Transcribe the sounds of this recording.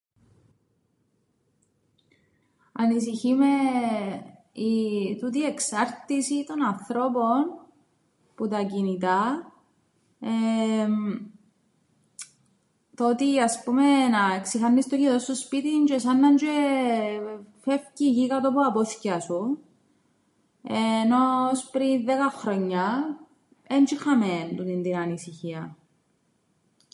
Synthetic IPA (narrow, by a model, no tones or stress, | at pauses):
ɐnisiçime | it̪ut̪̬ieksɐɾt̪isit̪o̞nɐnθɾo̞pon | put̪ɐcinit̪ɐ | e | t̪o̞t̪iɐspumenɐeksixɐnːist̪ociðost̪ospit̪ind͡ʒesɐnːɐnd͡ʒe | fefciʝikɐt̪opuɐpoθcɐsu | enospɾinðekɐxɾoɲːɐ | end͡ʒixɐment̪ut̪ind̪inɐnisiçiɐ